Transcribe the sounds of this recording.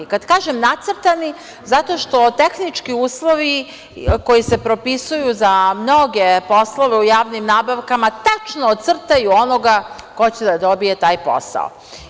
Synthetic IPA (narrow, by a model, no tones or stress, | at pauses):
kad̪kaːʒe̞mnat̪sr̩t̪ani | zat̪o̞ʃt̪o̞t̪e̞xnit͡ʃkiuːslˠo̞ʋi | ko̞jise̞pɾo̞pisujuzamno̞ɡe̞po̞slˠoʋe̞ujaːʋnimnaːbaʋkamat̪at͡ʃnoːt̪t̪sr̩t̪ajuonoɡa | ko̞t͡ɕe̞d̪ad̪o̞bije̞t̪aːjpo̞̰sa̰o̰